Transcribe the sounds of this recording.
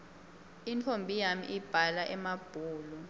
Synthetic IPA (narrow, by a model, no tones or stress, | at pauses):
intʰombʱijamḭʔib̥ʱalaʔɛmab̥ʱuːlu